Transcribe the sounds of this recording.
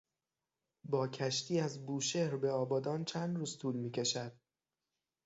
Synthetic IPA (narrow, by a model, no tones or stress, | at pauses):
bɒːcʰæʃt̪ʰiːæzbuːʃe̞ɾbe̞ɒːbɒːd̪ɒːnt͡ʃʰænd̪ɾuːzt̪ʰuːlmiːcʲʰe̞ʃæd̪̥̚